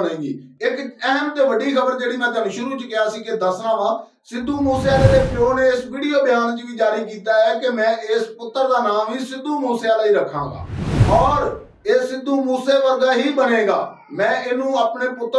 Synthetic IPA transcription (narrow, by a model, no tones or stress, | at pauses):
nãːɡḭːɪkɛɦəmt̪eːʋəɖiːkʰəbəɾd͡ʒeːɽiːmɛ̃ːt̪ənʃʊɾuːt͡ʃkɪjaːsiːked̪əsnãːʋãː | sɪd̪ːuːmuːsjaːleːd̪eːpʰoːneːɪsʋiːɽijoːbɪjaːnt͡ʃʋiːd͡ʒaːɾiːkiːt̪aːɛːkemɛ̃ːɪspʊt̪ːəɾd̪aːnaːmiːsɪd̪uːmuːseaːlaːiːɾəkʰːãːŋɡa̰ːɔːɾ | eːɪd̪ːuːmuːseːʋəɾɡaːɦiːbəneːɡa̰ː | mɛ̃ːɪnũːaːpneːpʊt̪ːə